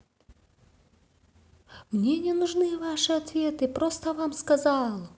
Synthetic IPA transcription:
mnʲenʲɪnʊʐnɨjvaʂɨɐt̪vʲe̞t̪ɨpɾost̪əvamskɐzalˠ

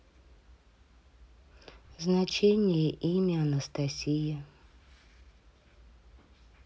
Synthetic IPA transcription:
znɐt͡ɕenʲɪjəʔimʲɪɐnəst̪ɐsʲijɪ

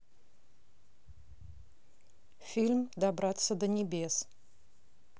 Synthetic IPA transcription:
fʲilʲmd̪abɾat̪sːəd̪ənʲɪbʲes

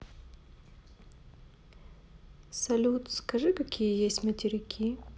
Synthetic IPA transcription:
sɐlʲut̪skɐʐɨkɐkʲʰijəjesʲtʲmətʲɪɾʲɪkʲʰi

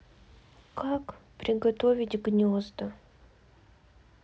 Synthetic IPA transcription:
kakpɾʲɪɡɐt̪ovʲɪtʲɡnʲozd̪ə

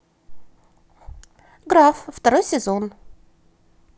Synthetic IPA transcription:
ɡɾafft̪ɐɾojsʲɪzon

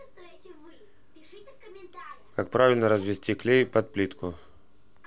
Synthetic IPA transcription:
kakpɾavʲɪlʲnəɾəzvʲɪsʲtʲiklʲejpɐt̪̚plʲit̪kʰʊ

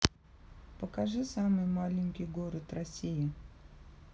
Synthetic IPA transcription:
pəkaʐɨsamɨjmalʲɪnʲkʲɪjɡoɾət̪rɐsʲijɪ

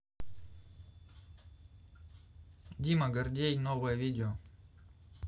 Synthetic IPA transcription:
dʲimɐɡɐrdʲejnovəjəvʲidʲɪo

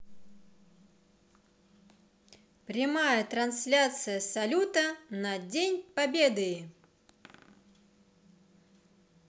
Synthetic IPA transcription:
pɾʲɪmajət̪ɾɐnsʲlʲat̪sɨjəsɐlʲut̪ənɐdʲenʲpɐbʲed̪ɨɪ

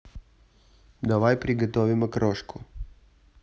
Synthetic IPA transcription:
d̪ɐʋajpɾʲɪɡɐt̪ɔvʲɪmɐkɾɔʃkʰʊ

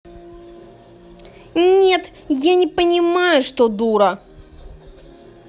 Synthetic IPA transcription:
nʲe̞t̪ | janʲɪpənʲɪmajʊʂt̪od̪uɾə

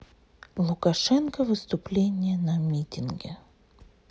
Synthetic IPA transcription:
lˠʊkɐʂɛnkəvɨst̪ʊplʲenʲɪjənɐmʲitʲɪnɡʲɪ

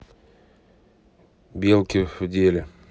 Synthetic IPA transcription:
bʲelˠkʲɪfʊdʲelʲɪ

